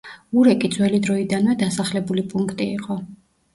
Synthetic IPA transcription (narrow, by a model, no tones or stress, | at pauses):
uɾɛkʼid̪zwɛlid̪ɾɔid̪anvɛd̪asaχlɛbulipʼuŋkʰt̪ʼiːqʼɔ